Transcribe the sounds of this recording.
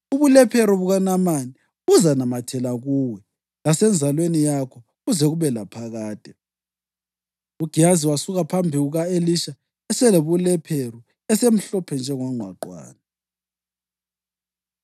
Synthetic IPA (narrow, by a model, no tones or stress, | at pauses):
uβulɛpʰeɾuβuɣanamani | uzanamatʰɛlaɣuwɛ | lasɛnd͡zʱalwenijakʰɔ | ɣuzɛɣuβɛlapʰaɣaːd̥ʱɛ | uɡ̥ʱiaziwasuɣapʰambʱiɣuɣaeliʃa | ɛsɛleβulɛpʰeɾu | ɛsem̩ɬɔpʰɛnd͡ʒʱɛŋɔŋ͡ǃʱwaǃwa̰ːna